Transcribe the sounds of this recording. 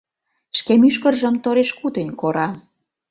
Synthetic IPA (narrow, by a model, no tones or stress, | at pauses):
ʃkemyʃkə̆rʒə̆mt̪oɾeʃkut̪ə̆nʲkoɾɑ